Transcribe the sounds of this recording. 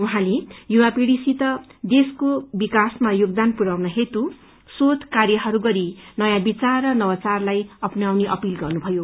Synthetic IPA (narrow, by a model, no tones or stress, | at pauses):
uɦãlejuwapiɽisit̪ʌd̪eskobikasmajoɡd̪anpuɾawnʌɦet̪u | sot̪karjʌɦʌɾuɡʌɾinʌjãbit͡sarrʌnʌwʌt͡sarlajʌpnawneʔʌpilɡʌrnubʱʌjo